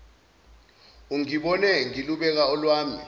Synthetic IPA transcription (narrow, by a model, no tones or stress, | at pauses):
uŋiɓɔnɛŋiluɓɛk̬aɔlwaːmi